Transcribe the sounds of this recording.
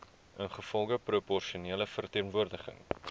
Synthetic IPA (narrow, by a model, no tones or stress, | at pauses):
ʔənχəfɔlˠɡəpropɔrʃiuniələfərtiənvuərdəχə̰ŋ